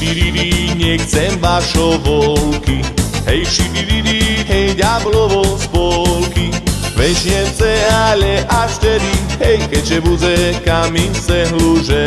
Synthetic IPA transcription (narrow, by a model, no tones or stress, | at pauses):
t̪iɾiɾiɲɛxt͡sɛmvaʃɔvɔlkiɦɛjʃiɾiɾiɾiɦɛjɟablɔʋɔspɔlkiʋɛʒjɛmsɛalɛʔaʃt̪ɛd̪iɦɛjkɛʒɛbud͡ʑɛkaminsɛɦluʒɛ